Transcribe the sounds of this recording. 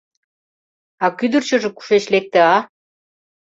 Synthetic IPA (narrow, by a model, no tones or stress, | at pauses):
ɑkyd̪ərt͡ɕŏʒĕku̥ʃeɕlek̚t̪eɑ